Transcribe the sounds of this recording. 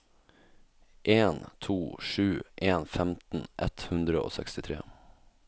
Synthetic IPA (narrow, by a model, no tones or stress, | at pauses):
ʔeːnt̪ʰuːʂʉːʔeːnfɛmt̪n̩ʔɛt̪hʉnd̪ɾəo̰ːsɛ̰kst̪ɪt̪ʰɾḛː